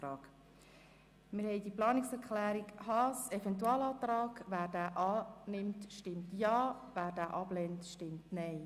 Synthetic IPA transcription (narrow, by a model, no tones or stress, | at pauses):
ɾɑːɡ̥ | mɪɾhɛɪdiəplɑːnɪksɛɾkʰχlæːɾikhɑsɛfɛntuɑːlɑːt̪ɾɑːɡʋæːɾd̥æːʔɑːnɪmtʃtɪmtjɑːvæːɾd̥æːʔɑb̥lɛntʃtɪmtnɛɪ